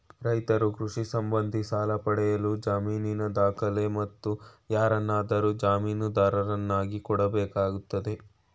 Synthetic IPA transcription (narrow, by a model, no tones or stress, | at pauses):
ɾɐjt̪ɐɾukɾuʂisɐmbɐnd̪ʱisaːlɐpɐɽɛjɐlud͡ʒaːmiːninɐd̪aːkʰɐle̞mɐt̪ːujaːɾɐnːaːd̪ɐɾud͡ʒaːmiːnud̪aːɾɐɾɐnːaːɡikɔɽɐbɛːkaːɡut̪ːɐd̪e̞